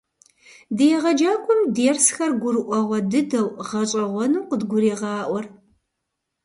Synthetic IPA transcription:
dɨjɛʁɐd͡ʒaːkʷʰʼʊmdeːrsxɐrɡʷʊɾɨʔʷɔʁʷɔdɨdɐwʁɐɕʼɐʁʷɔnuːqədɡʷʊɾeːʁɑːʔʷɔr

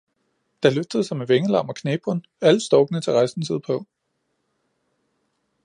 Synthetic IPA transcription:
d̥ɑ̈løfd̥əðˠsɑɪmeʋeŋəlɑ̈m̰ɒkʰneːb̥ʁɔn | æləsd̥ɒʊɡ̥ənət͡sʰe̝ʁɑ̈ɪsn̩sið̞̰ˠpʰɒ̽

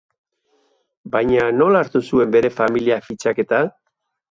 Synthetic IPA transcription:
bajɲano̞laːɾt̪usue̞mbe̞ɾe̞familiafit͡ʃake̞t̪a

